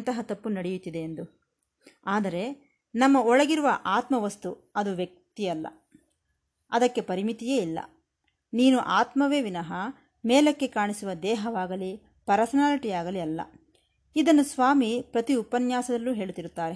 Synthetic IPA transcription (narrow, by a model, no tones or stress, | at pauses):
nt̪ɐɦɐt̪ɐpːunɐɽejut̪ːid̪e̞ːnd̪u | aːd̪ɐɾe̞ | nɐmːɐɔɭɐɡiɾuʋɐʔaːt̪mɐʋɐst̪u | ɐd̪uʋjɐk̚t̪iɐlːɐ̰ | ɐd̪ɐkːe̞pɐɾimit̪ijeːilːɐ̰ | niːnuʔaːt̪mɐʋeːʋinɐɦɐ | meːlɐkːe̞kaːɳisuʋɐd̪ɛːɦɐʋaːɡɐli | pɐɾɐsɐnaːliʈijaːɡɐliɐlːɐ̰ | id̪ɐnːusʋaːmipɾɐt̪iupːɐnjaːsɐd̪ɐlːuːɦe̞ːɭut̪ːiɾut̪ːaːɾe